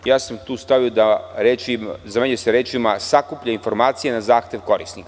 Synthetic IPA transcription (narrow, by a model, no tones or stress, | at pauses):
jaːsamt̪uːst̪aʋijod̪aɾeizameɲuseɾeːt͡ʃimasakupʎainfo̞ɾmaːt̪sijenazaːxt̪e̞ʋko̞ɾisnik